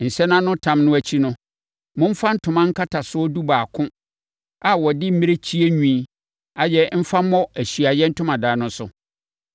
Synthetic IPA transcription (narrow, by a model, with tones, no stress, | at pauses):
n̩˨sɛ˦nã˦nʊ̃˦tʰã˦mnʊ̃˦æ˨t͡ɕʰi˦nʊ̃˦ | mʊ̃˦m̩˦fã˦n̩˦tʰʊ̃˨mã˦ŋ̩˦kʰa˦tʰa˨sʊ˦ɔ˦du˦baː˨kʰʊ̃˦ | a˨wɔ˨dɪ˦m̩˦mĩ˦ɾe˦t͡ɕʰi˦e˦ɲᶣũ˦˨ | a˨jɛ˦m̩˦fa˦ɔ˦æ˨ɕɥa˨jɛ˦n̩˦tʰʊ̃˦mã˨daː˨nʊ̃˦sʊ̰˨